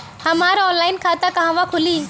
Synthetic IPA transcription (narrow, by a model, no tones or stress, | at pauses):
həmaɾɔːnlaːɪnkʰat̪akəɦãʋakʰʊli